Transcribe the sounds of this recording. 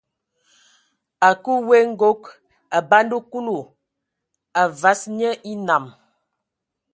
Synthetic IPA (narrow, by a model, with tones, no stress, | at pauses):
a˨ku˦we˦ŋ̩˦ɡo˦k | a˨ba˦ndu˦ku˦lu˨ | a˨va˨˦sɲə˦ʔi˦na˨m